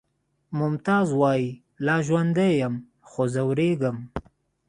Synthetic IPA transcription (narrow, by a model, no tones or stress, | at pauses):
mʊmt̪ɑːzwɑːji | lɑːʒwand̪ejəm | xozawɾeɡəm